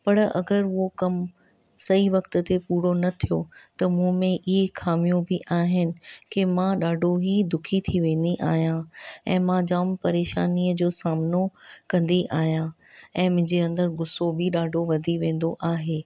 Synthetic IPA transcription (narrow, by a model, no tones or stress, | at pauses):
pɐɽɐ̰ɡəɾʊɦokɐm | sɐiʋɐkt̪t̪epuːɾonɐt̪ʰijot̪ɐmũːmẽʔɪɦexʰaːmijũbɪʔaːɦɪnɪ̆kemãɗaːɖʱoɦid̪ʊkʰit̪ʰiʋẽːn̆d̪iʔa̰ːɦijãɛ̃ːmãd͡ʑaːmpɐɾeːʃa̰ːniːəd͡ʑoːsaːmnokɐ̃nd̪iʔa̰ːɦijãɛ̃ːmʊ̃ɦɲd͡ʑeɐ̃nd̪əɾɡʊsobʱɪɗaːɖʱoʋɐd̪ʱiʋẽːn̆d̪oʔaːɦeː